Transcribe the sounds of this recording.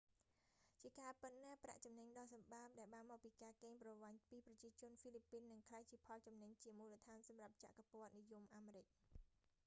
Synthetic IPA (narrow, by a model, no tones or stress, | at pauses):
t͡ɕiəkaːpɨt̪̚napra̰ʔt͡ɕɑmnəɲɗɑːsɑmɓaːp̚ɗaɛlɓaːnmɔːk̚piːkaːkeːŋprɑʋaɲpiːprɑt͡ɕiət͡ɕʊ̆ənfiːlipːiːnːɨŋkʰlajt͡ɕiəpʰɑlt͡ɕɑmnəɲt͡ɕiəmuːlət̪ʰaːnsɑmrap̚t͡ɕa̰ʔkapoət̪̚nijumʔaːmeːɾɨc̚